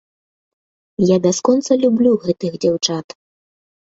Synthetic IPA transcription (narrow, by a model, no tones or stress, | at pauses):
jad̪askɔnt̪sɐlʲublʲuɣɛt̪ɨɣd͡zʲawt͡ʂat̪